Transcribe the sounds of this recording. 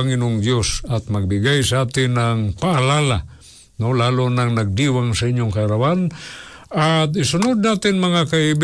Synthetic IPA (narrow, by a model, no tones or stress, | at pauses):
aŋɪnʊŋd̪josat̪̚mɐɡ̚bɪɡajsaaːt̪ɪnaŋpaʔːlala | nolaːlʊnaŋnaɡ̚d̪iwaŋsɐɪɲjʊŋkaːɾawan | at̪ɪsʊnʊd̪̚naːt̪ɪnmɐŋakaɪb